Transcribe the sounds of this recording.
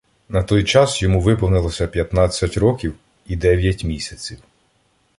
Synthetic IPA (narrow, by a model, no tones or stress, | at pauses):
nɐt̪ɔjt͡ʃɑsjɔmuʋɪpɔwnɪlˠɔsʲɐpʲjɐt̪nɑt͡sʲːɐtʲrɔkʲiw | id̪ɛʋʲjɐtʲmʲisʲɐt͡sʲiw